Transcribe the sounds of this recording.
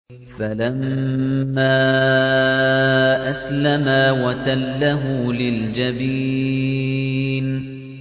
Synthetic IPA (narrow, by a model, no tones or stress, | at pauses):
falamː | aː | ʔaslamaːwat̪alːaɦʊlɪld͡ʒabiː | n